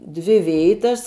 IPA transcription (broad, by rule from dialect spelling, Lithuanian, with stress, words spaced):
ˈdʲʋʲɪ ˈʋʲeːɪtɐs